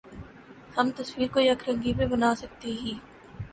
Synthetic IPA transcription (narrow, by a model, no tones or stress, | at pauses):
hɐmt̪ɐswiːɾkojɐkʰɾə̃ŋɡipẽbənaːsək̚t̪eɦiː